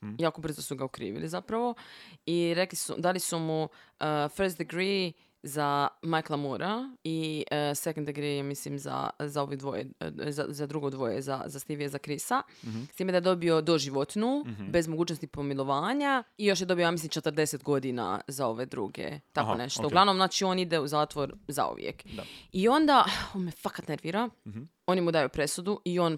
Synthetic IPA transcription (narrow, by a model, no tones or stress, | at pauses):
jaːko̞br̩zosuɡaukɾḭːʋḭlizapɾaʋo̞iɾeklisṵd̪alisumuəfəɾst̪̚d̪eɡɾiː | zamajklˠamuɾaiəsekond̪eɡɾimislimza̰zao̞ʋid̪ʋo̰jḛza̰zad̪ɾuɡod̪ʋojḛza̰zast̪iʋijezakɾisa | st̪iːmed̪ajed̪o̞bio̞d̪o̞ʒiʋot̪nube̞zmoɡuːt͡ʃnost̪ipo̞milˠo̞ʋaːɲaijo̞ʃjed̪o̞bijojamislimt͡ʃe̞t̪ɾd̪e̞set̪ɡo̞d̪ina̰zao̞ʋe̞d̪ɾṵːɡḛt̪akkone̞ʃt̪ouɡlaʋnomznaːt͡ʃio̞nid̪euzaːt̪ʋoɾza̰ṵʋjḛk̪io̞nd̪aonmefakat̪neɾʋiɾa | o̞nimud̪ajupɾe̞sud̪uʔio̞ːn